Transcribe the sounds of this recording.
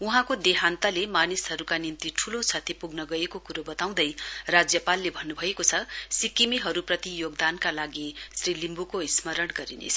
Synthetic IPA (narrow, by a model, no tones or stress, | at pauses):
uɦãkod̪eɦant̪alemanisɦʌɾukanint̪iʈʰulot͡sʰʌt̪ʰipuɡnʌɡʌekokuɾobʌt̪aw̃d̪ʌjrad͡zjʌpalːebʱʌnːubʱʌekot͡sʰʌsikimiɦʌɾuprʌt̪ijoɡd̪ankalaɡisrilimbukoismʌɾʌɽɡʌɾinḛt͡sʰʌ